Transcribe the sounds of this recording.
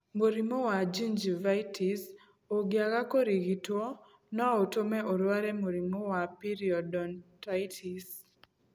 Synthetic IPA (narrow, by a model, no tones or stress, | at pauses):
moɾimowad͡ʒind͡ʒivajtʰis | oɡjaɡakoɾiɡito | nɔotomɛʔɔɾwaɾɛmoɾimowapiɾiɔdɔntajtʰis